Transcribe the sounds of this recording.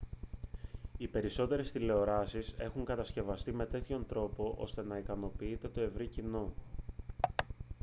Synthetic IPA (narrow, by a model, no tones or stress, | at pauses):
ipe̞ɾiso̞t̪e̞ɾe̞st̪ile̞o̞ɾɐsise̞xuŋkɐt̪ɐsce̞vɐst̪ime̞t̪e̞t̪ço̞nt̪ɾo̞po̞ʔo̞̰st̪e̞nɐikɐno̞piit̪e̞t̪o̞e̞vɾicino